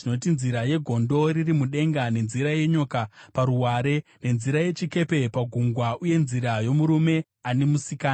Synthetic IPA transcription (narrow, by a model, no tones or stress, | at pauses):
ino̞t̬inziɾaje̞ɡʱo̞ndo̞ririmuɗe̞ŋɡane̞nziɾaje̞ɲo̞kapaɾuɦwaɾe̞ne̞nziɾaje̞t͡ʃike̞pe̞paɡʱuŋɡwauje̞nziɾajo̞muɾume̞ | ane̞musikaːna